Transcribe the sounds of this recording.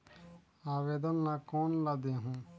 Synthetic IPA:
aːʋeːd̪ɐnːakoːnlad̪eɦũ

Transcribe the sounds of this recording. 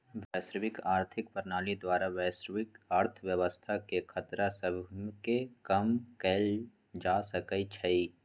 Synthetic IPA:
ʋɛːsɾəʋɪkaːɾt̪ʰɪkpəɾnaːlid̪waːɾaʋɛːsɾʋɪkaːɾt̪ʰəʋjəʋəst̪ʰakekʰɐt̪ɾasəbʱkekɐmkɛːl | d͡ʒaːsɐkəit͡ʃʰɐi

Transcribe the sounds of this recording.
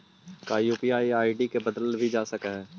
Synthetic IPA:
kaːjuːpiaːiaːiɖikebɐd̪əlbʱid͡ʒaːsɐkɦɛː

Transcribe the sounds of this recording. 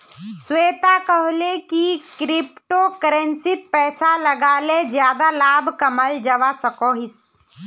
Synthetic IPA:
sweːt̪akəɦlekikɾɪpʈokəɾẽnsɪt̪̚pɛːsaləɡaːled͡ʒjaːd̪alaːbʱkəməld͡ʒəʋasəkoːɦɪs

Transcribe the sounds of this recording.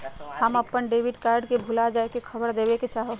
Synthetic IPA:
həməpːəɳɖeːbiɖkaːɾɖkebʱulad͡ʒaːekekʰəbəɾd̪eːbeket͡ʃaːɦo

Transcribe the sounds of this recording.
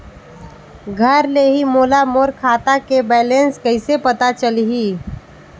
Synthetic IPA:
ɡʱəɾleɦimoːlamoːɾkʰaːt̪akebɛːlenskəɪsepət̪at͡ʃəliɦiː

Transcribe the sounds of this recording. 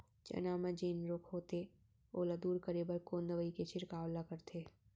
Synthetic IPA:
d͡ʒɐ̰naːməd͡ʒeːnɾoːkʰɦoːt̪e | oːlad̪uːɾkəɾeːbəɾkoːnd̪əʋəiket͡ʃʰɪɾkaːwlakəɾt̪ʰeː

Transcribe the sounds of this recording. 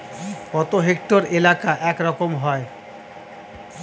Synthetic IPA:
kɔt̪oɦek̚ʈoɾelakaʔɛkɾɔkomɦɔe

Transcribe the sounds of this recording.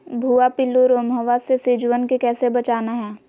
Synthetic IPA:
bʱuːapɪlːuɾoːmɦəʋasesɪd͡ʒʋənkekɛːsebɐt͡ʃaːnaɦɛː

